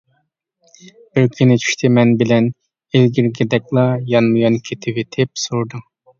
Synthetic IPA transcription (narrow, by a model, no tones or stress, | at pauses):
b̥ɪɾkʲʰinɪt͡ʃʰy̥ʃt̪ʰɪmɛnbɪlɛn | elɡʲiɾɡʲɛd̪ɛk̚ʲlˠɑjɑnmujɑnkʲʰet̪ʰɪwet̪ʰɪp̚suɾd̪uŋ